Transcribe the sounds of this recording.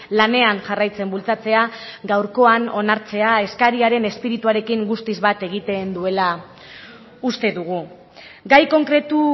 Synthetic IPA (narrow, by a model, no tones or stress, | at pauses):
lane̞anʝarajt͡se̞mbult͡sat͡se̞aɡawɾko̞ano̞naɾt͡se̞ae̞skaɾiaɾe̞ne̞spiɾit̪uaɾe̞kiŋɡust̪izβat̪e̞ɣ̞it̪e̞nd̪ue̞la | ust̪e̞ðuɣ̞u | ɡajko̞ŋkɾe̞t̪u